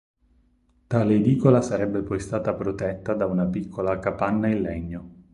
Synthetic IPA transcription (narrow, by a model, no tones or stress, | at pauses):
t̪aːled̪iːkolasaɾɛbːepɔjst̪aːt̪apɾot̪ɛt̪ːad̪aunapikʰːolakapanːailːɛɲːo